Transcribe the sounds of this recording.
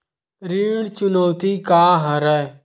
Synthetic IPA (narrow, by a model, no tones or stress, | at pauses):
ɾiːɽt͡ʃʊnoːt̪iːkaːɦəɾɛː